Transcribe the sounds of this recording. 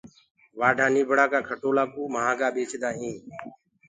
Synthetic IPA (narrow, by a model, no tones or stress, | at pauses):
ʋaːɖʱaːniːbʱəɽaːkaːkʰəʈoːlaːkuːməɦãːɡaːɓeːt͡ʃʰd̪aːĩː